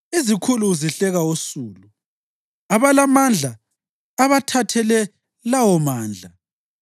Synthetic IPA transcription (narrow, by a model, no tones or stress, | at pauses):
ezikʰuluziɬɛɣaosuːlu | aβalamand͡ɮʱaː | βatʰatʰɛlɛ | lawɔmaːnd͡ɮʱa